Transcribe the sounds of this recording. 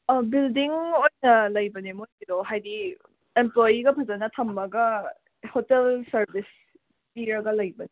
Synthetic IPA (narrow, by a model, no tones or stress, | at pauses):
bildiŋojnɐlɐjbɐnemojkid̪oɦajdi | emplojiɡɐpʰɐzɐnɐt̪ʰɐmːɐɡɐ | hotelsɐɾbis | piɾɐɡɐlɐjbɐne